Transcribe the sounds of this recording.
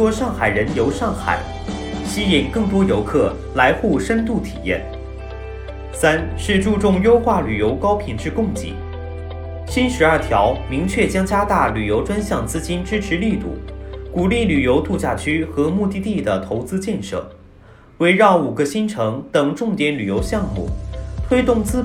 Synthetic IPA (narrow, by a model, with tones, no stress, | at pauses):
t̪wɔ˥ʂɑ˥˩ŋxa˨˩ɪɻə˧˥njo˧˥ʊʂɑ˥˩ŋxa̰˨˩ɪ | ɕi˥i˨˩nkɤ˥˩ŋt̪wɔ˥jo˧˥ʊkʰɤ˥˩ | la˧˥ɪxu˥˩ʂə˥nt̪u˥˩t̪ʰi̥̰˨˩jɛ̰˥˩n | sa˥nʂɻ̩˥˧ʈ͡ʂu˥˧ʈ͡ʂʊ˥˩ŋjo˥ʊxwa˥˩ly˨˩jo˧˥ʊkɑ˥ʊpʰi˨˩nʈ͡ʂɻ̩˥˧kʊ˥˧ŋt͡ɕḭ˧˥˩ | ɕi˥nʂɻ̩˧˥ɐ˞˥˩t̪ʰjɑ˧˥ʊmi˧˥ŋt͡ɕʰɥɛ˥˩t͡ɕjɑ˥ŋt͡ɕja˥t̪a˥˩ly˨˩jo˧˥ʊʈ͡ʂwa˥nɕjɑ˥˩ŋt͡sɹ̩˥t͡ɕi˥nʈ͡ʂɻ̩˥ʈ͡ʂʰɻ̩˧˥li˥˧t̪ṵ˥˩ku˨˩li˥˩ly˨˩jo˧˥ʊt̪u˥˧t͡ɕja˥˩t͡ɕʰy˥xɤ˧˥mu˥˧t̪i˥˧t̪i˥˩d̪ə˩t̪ʰo˧˥ʊt͡sɹ̩˥t͡ɕjɛ˥˧nʂɤ̰˥˩ | we˧˥ɪɻɑ˥˩ʊu˨˩ɡə˦ɕi˥nʈ͡ʂʰɤ˧˥ŋt̪ɤ˨˩ŋʈ͡ʂʊ˥˩ŋt̪jɛ˧˥nly˨˩jo˧˥ʊɕjɑ˥˧ŋmṵ˥˩t̪ʰwe˥ɪt̪ʊ˥˩ŋt͡sɹ̩˥